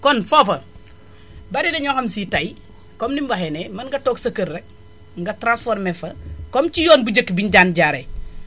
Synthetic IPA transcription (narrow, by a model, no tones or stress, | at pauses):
kɔnfɔfɐ | bɐɾidɛɲɔxɐmsitɐj | kɔmnimbɐɦɛnemɐnŋɡɐtoːksɐkːəɾːɛk̚ | ŋɡɐtɾãsfɔːɾmɛfɐkɔmt͡ʃijɔːnbuɟəkːbiɲɟaːnɟaːɾe